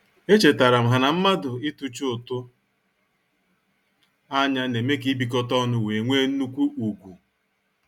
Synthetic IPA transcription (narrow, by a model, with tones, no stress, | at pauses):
e˦t͡ʃe˨ta˨ɾa˨m̩˨ɦa˨na˨m̩˦ma˦dʊ˨ɪ˦tu˦t͡ʃo˨tʊ˦ | a˦ɲa˦ne˨me˦ki˨˦bi˨k̬ɔ˦tɔ˦nʊ˦we˨ŋʷe˦n̩˦nu˦kʷu˦u˨ɡʷu˨